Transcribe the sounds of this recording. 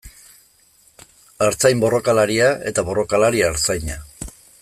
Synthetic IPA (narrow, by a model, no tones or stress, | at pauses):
aɾt͡sajmbo̞ro̞kalaɾiae̞̰t̪aβo̞ro̞kalaɾiaːɾt͡sajɲa